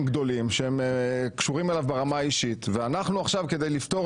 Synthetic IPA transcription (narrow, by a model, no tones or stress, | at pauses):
mɡd̪o̞limʃeemkʃuʁimelavbeʁamaːiʃit̪veanaχnuaχʃavke̞d̪ejlift̪o̞